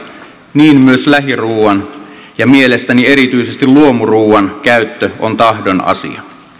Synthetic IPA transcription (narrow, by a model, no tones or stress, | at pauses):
niːnmyøslæɦiruːʋɑnjɑmie̞lest̪ænie̞ɾit̪yisest̪illuomuruːɑnkæyt̪ːøont̪ɑhdo̞nɑ̰sḭɑ̰